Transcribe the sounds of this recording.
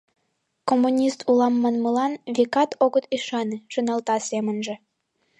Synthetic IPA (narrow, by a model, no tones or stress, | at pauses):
komːunʲist̪ʰulɑmːənməlɑnβʲikɑt̪oɣət̪iʃɑneʃənɑlt̪ɑsʲemənʒə̆